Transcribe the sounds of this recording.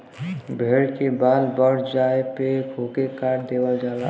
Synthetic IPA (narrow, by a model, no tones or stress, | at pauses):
bʱeːɽkebaːlbəɽ̤d͡ʒaːepekʰoːkekaːɾd̪eːwad͡ʒaːla